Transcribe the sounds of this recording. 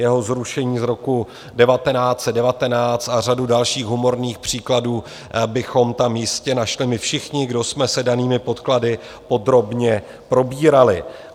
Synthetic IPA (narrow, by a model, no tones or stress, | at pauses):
jɛɦo̞zɾuʃɛɲiːzɾo̞ku | dɛvat̪ɛnaːt͡sɛdɛvat̪ɛnaːt͡st̪ar̝adudalʃiːɣɦumo̞ɾniːxpr̝̥iːkladuː | bɪxo̞mt̪amjɪscɛnaʃlɪmɪfʃɪxɲɪɡdo̞smɛsɛdaniːmɪpo̞t̪kladɪ | po̞d̪ɾo̞bɲɛ | pɾo̞biːɾalɪ